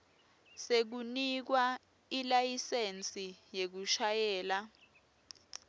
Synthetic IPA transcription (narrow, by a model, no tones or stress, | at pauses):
sek̬unik̬wa | ilajisent͡sʼijek̬uʃajɛːla